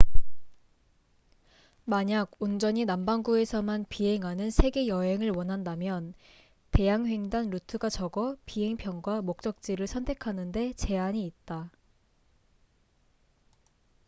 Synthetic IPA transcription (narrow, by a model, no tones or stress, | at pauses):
maɲaɡ̚und͡ʑʌɲinambaŋɡue̞sʰʌmanpiɦe̞ŋɦanɯnsʰe̞ɡe̞jʌɦe̞ŋɯɭwʌnɦandamjʌn | te̞jaŋɸeŋdanɾutʰɯɡat͡ɕʌɡʌpiɦe̞ŋpʰjʌnɡwamok̚t͡ɕ͈ʌk̚t͡ɕ͈iɾɯɭsʰʌntʰe̞kʰanɯnde̞t͡ɕe̞aɲiːt̚t͈a